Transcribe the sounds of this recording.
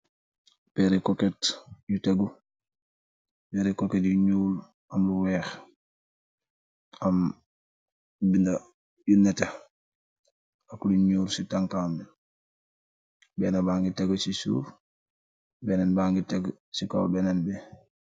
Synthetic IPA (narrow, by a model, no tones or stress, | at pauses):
pɛɾɛkɔketjuteɡu | bɛɾɛkoketjuɲuːl | amluwɛːx | am | binda | junːɛte | akuluɲuːɾsitaŋkaːmi | bɛnabaːŋɡiteɡsisṵːf | bɛnɛnbaːŋɡiteɡ | sika̰wbɛnɛnbɛ